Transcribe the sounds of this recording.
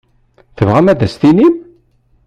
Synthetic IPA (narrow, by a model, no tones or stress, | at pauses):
θəvʁæmæðæst̪inim